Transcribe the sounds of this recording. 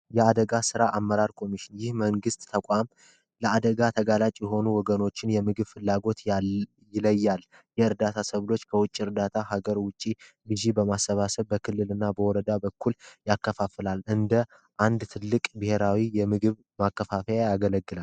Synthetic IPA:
jɛad̪əɡasɨɾaʔamːəɾaɾkʰo̞miʃɪnjɪhməŋɡɨst̪ʼt̪ʰəkʷʼam | ləad̪əɡat̪ʰəɡalat͡ʃʼjɛɦo̞nuwɔɡəno̞t͡ʃːɪnjɛmɨɡɨβfɨlːaɡo̞t̪ | jɪləjːal | jɛɨɾd̪at̪ʰasəβlo̞t͡ʃːkʰəwʊt͡ʃʼːiɨɾd̪at̪ʰaɦaɡəɾwʊt͡ʃʼːi | lɨzibəmasːəβasəβbəkʰɨlːɨlɨnːabəwɔɾəd̪abəkʰːuljakːəfafɨlalʔɨnd̪ə | ʔand̪t̪ʰɨlːɨkʼbɨhe̞ɾawijɛmɨɡɨβ | makːəfafəjajaɡələɡːɨlal

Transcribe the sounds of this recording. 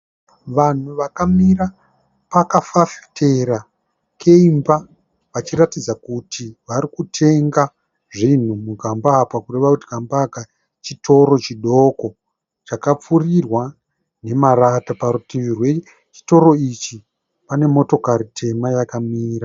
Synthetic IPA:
ʋan̤uʋakamira | pakafafe̥te̞ɾa | kʰe̞imba | ʋat͡ʃiɾatid͡zakutiʋaɾikutʰe̞ŋɡa | ʐin̤umuɡambaːpakure̞ʋakutiɡʱambaːka | t͡ʃito̞ɾo̞t͡ʃiɗo̞ko̞ | t͡ʃakap͡furirwa | ne̞maratapaɾutiʋirwe | t͡ʃi̥to̞ɾo̞it͡ʃi | pane̞mo̞to̞kaɾitʰe̞majakamiːɾa

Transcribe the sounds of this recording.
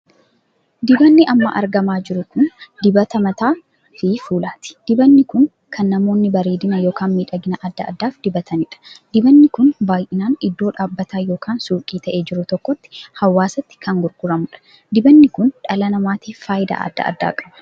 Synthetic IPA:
d̪ɪbɐnːɪʔɐmːɐ̰ʔɐ̰ɾɡɐmaːd͡ʒɪɾʊkʊnd̪ɪbɐt̪ɐmɐt̪aː | fɪfuːlaːt̪ɪ̥d̪̥ɪbɐnːɪkʊŋ | kʰɐnːɐmo̞ːnːɪbɐɾeːd̪ɪnɐjo̞ːkaːnmiːᶑɐɡɪnɐʔɐd̪ːɐʔːd̪ːaːfd̪̥ɪbɐt̪ʰɐnɪᶑɐ̥d̪̥ɪbɐnːɪkʊnbaːjʔɪnaːnɪd̪ːo̞ːᶑaːbːɐt̪ʰaːjo̞ːkʰaːnsuːkʼiːt̪ʰɐʔe̞ːd͡ʒɪɾʊt̪ɔkːɔt̪ːɪ̥hɐwːaːsɐt̪ːɪ̥kʰɐŋɡʊɾɡʊɾɐmʊᶑɐ̥ | d̪ɪbɐnːɪkʊnᶑɐlɐnɐmaːt̪iːffaːjɪd̪a̰ːʔɐ̰d̪ːɐ̰ʔɐ̰d̪ːa̰ːkʼɐbɐ̥

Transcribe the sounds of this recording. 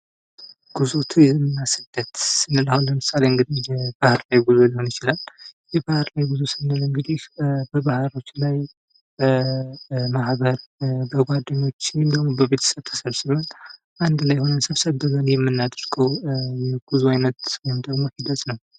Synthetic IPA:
ɡ̥uzot̪ʰjɛmːɨnːasəd̪ət̪sɨnːɨlahunləmɨsaleɨŋɡɨd̪ihjɛb̥ahɨɾlajɡuzolihonjɪt͡ʃɪlaljɛbahɨɾlajbɨzusɨnːɨlɨŋɡɨd̪ihbəbahɾo̞t͡ʃːlaj | b | mahbəɾbəɡʷad̪ːəɲːo̞t͡ʃːɪmd̪əɡmobəβe̞t̪ʰə̥səβt̪ʰːə̥səβsɨmən | ʔand̪lajho̞nəsəβsəβɨzənjɛmːɨnːad̪ɨɾɡʰʼəwjɛɡ̥uzuajnət̪wɔjɪmd̪əɡmo̞hid̪ət̪ʼnəw

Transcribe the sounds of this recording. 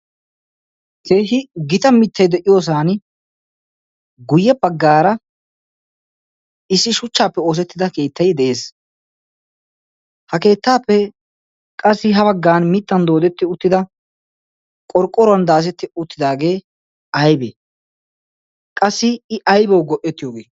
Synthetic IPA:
t̪eːɦɪɡɪt̪ɐmɪt̪ʰːɐjd̪ɛʔɪjo̞ːs̬aːn | ɡʊjːɛbɐɡːaːɾɐ | ɪsːɪʃʊt͡ʃːaːpːɛo̞ːs̬ɛt̪ːɪd̪ɐke̞ːt̪ːɐjd̪ɛʔeːs | hɐke̞ːt̪ːaːpːɛ | kʼɐsːɪɦɐbɐɡːaːnmɪt̪ːɐnd̪oːd̪ɛt̪ːɪʊt̪ːɪd̪ɐ | kʼɔɾkʼːɔɾɔɐnd̪aːs̬ɛt̪ːɪʊt̪ːɪd̪aːɡe̞ː | ɐjbe | kʼɐsːɪɪɐjbɛwɡɔʔɛt̪ːɪjoːɡḛː

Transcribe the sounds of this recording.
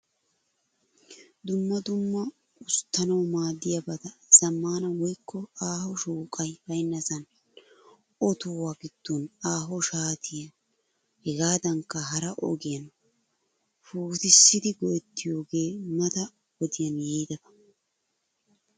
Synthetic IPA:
d̪ʊmːɐd̪ʊmːɐ | ʊst̪ːɐnɐwmaːd̪ɪjɐbɐt̪ɐz̥ɐmːaːnɐwɔjkʰːɔaːhɔʃuːkʼɐjbɐjnːɐzɐn | ɔt̪owaɡɪd̪̥ːonaːɦɔʃaːt̪ʰɪjɐ | hɛɡaːd̪ɐŋkːɐɦɐɾɐʔɔ̰ɡɪjɐn | fuːt̪ɪsːɪd̪ɪɡɔʔɛt̪ːɪjo̞ːɡe̞ːmɐt̪ɐ | wɔd̪ɪjɐnjejd̪ɐbɐ̥

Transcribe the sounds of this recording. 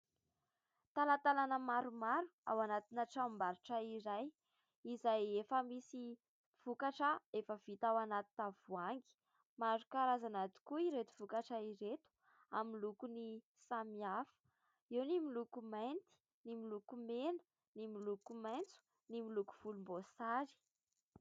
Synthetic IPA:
t̪alat̪alanəmaɾumaɾua̰wanat̪inaʈ͡ʂambaɾiʈ͡ʂəiɾaj | izajefəmisi | v̥ukaʈ͡ʂəefəv̥it̪awanat̪i̥t̪av̥uaŋɡi̥ | maɾukaɾazanat̪i̥kuiɾet̪u̥v̥ukaʈ͡ʂəiɾet̪u̥ | amilukuni | samiafə̥ | iwnimilukumajnt̪i̥ | nimilukumenə̥ | nimilukumajnt͡su̥ | nimiluku̥v̥ulumbosaɾi̥

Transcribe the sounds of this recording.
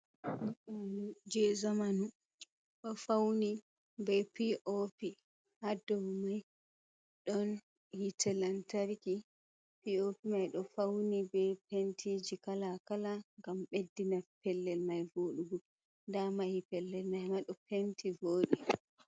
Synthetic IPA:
anud͡ʒɛzamanu | ɗɔfawni | bɛpiʔopi | hadɔwumaj | ɗɔn | hitʰɛlantaɾiki | piopimajɗɔfawnibɛpentʰid͡ʒikalakalaŋɡamɓedːinapɛlːɛlmajvoːɗuɡu | ndamahipɛlːɛlmajhmaɗɔpentʰivoːɗi

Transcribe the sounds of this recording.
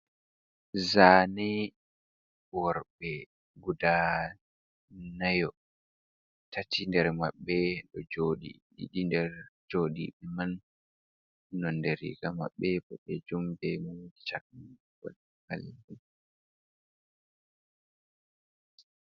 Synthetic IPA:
zanɛ | wɔɾɓɛ | ɡuda | najɔ | tatindɛɾmaɓːɛɗɔd͡ʒoːɗḭ | ɗḭɗindɛɾd͡ʒoɗiɓɛman | ɔndeɾḭɡama̰ɓːɛbɔɓɛd͡ʒumbɛmud͡ʒit͡ʃak̚n | kɔ̰l | ha̰liɡɛ

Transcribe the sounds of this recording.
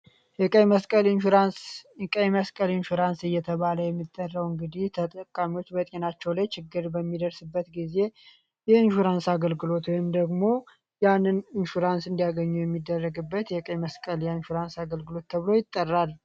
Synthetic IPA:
jɛkʼəjməskʼəlnanskʼəjməskʼəlinʃuɾansɨjːɛt̪ʰəβaləjɛmːit̪ʼːərːəwɨŋɡɨd̪iht̪ʰət̪ʼəkʼːamiwo̞t͡ʃːbət̪ʼenat͡ʃːɛwlajt͡ʃɪɡːɨɾbəmːid̪əɾsɨbːət̪ɡize̞ | jɛɨnʃuɾansaɡəlɡɨlo̞t̪wɔjɪmd̪əɡmo̞ | janːɨnɨnʃuɾansɨnd̪ijaɡəɲːujɛmːid̪ːərːəɡɨbːət̪jɛkʼəməskʼəljɛɨnʃuɾansaɡəlɡɨlo̞t̪ʰːəβɨlo̞jɪt̪ʼːərːal

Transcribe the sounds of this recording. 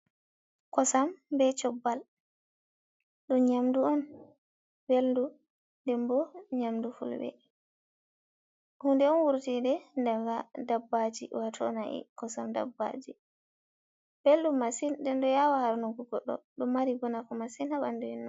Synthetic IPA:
kɔsambɛt͡ʃɔbːal | ɗumɲamduɔn | beldu | ndɛmbɔɲamdufṵlbɛ̰ | hundɛɔnwuɾtidɛndaadabːad͡ʒḭwatʰɔ̰naʔḭkɔsamda̰bːa̰d͡ʒi | b̥eldumːasindɛndɔjawahaɾnuɡɔɡɔɗːɔ̰ɗumːaɾibɔnakɔmasinhaɓanduɛnː

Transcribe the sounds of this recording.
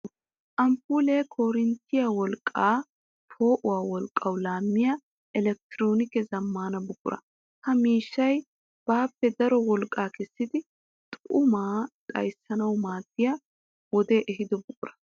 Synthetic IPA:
ʔɐmpuːleːkʰoːɾɪnt̪ʰːɪjawɔlkʼːaː | pʰo̞ːʔʊwaːwɔlkʼːɐwlaːmːɪja | ʔɛlɛk̚t̪ɪɾo̞ːnɪkɛzɐmːaːnɐbʊkʼːʊɾʔɐ̰ | hɐmiːʃːɐj | b̥aːpːɛd̪ɐɾɔwɔlkʼːaːkɛsːɪd̪ɪ | t̪ʼʊmaːt̪ʼɐ̰jsːɐnɐwmaːd̪ːɪja | wɔd̪e̞ːʔɛɦɪd̪ɔbʊkʼʊɾɐ̥

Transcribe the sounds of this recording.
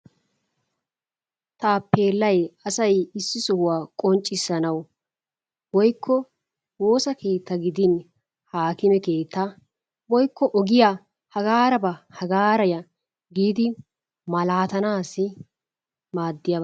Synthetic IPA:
t̪aːpːeːlːɐjɐsɐjɪsːɪsɔhʊwaːkʼɔnt͡ʃʼːɪsːɐnɐw | wɔjkːɔ | wo̞ːsɐke̞ːt̪ːɐɡɪd̪ɪn | haːkɪmɛke̞ːt̪ːɐ | wɔjkːɔʔɔɡɪja | hɐɡaːɾɐbɐhɐɡaːɾɐjɐ | ɡiːd̪ɪ | mɐlaːt̪ɐnaːsːɪ | maːd̪ːɪja

